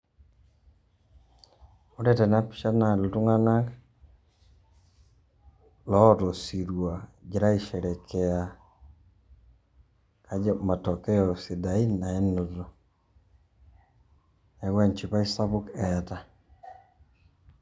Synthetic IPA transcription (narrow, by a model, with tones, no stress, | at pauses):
u˦dɛ˦tɛ˨na˦pi̥˦ʃa˦na˨lu˨tu˦ŋa˦na˦k | lɔ˦tɔ˨si˨ɾwa˨d͡ʒi˨ɾa˦i˨ʃɛ˨ɾɛ˨kʰɛ˨a˨ | ka˦d͡ʒɛ˦ma˨tɔ˨kɛ˦ɔ˨si˨da˨i˦na˨ɛ˦no˨tɔ˨ | ɛ˨ɡwɛ˦nt͡ʃi˨pa˦i˦sa˦bu˦kɛ˨ta˨